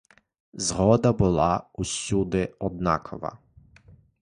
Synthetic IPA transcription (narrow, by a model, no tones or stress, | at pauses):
zɣɔd̪abulˠausud̪ɛɔd̪na̰kʰɔʋa̰